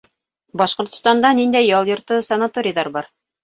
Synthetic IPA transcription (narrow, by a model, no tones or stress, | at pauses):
bɑʃqŏɾt̪ŏ̥st̪ɑnd̪ɑnind̪æjːɑlˠjŏɾt̪ɤsɐnat̪oɾʲɪjðɑɾbɑɾ